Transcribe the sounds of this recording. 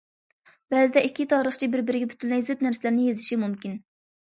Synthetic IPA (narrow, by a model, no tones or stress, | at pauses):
bɛzɪd̪ɛʔikʲʰːit̪ʰɑːɾəχt͡ʃʰibɪɾbɪɾɪɡʲɛbʰy̥t̪ʰynlɛjzɪpnæɾsɪlæɾnɪjezɪʃimumkʲin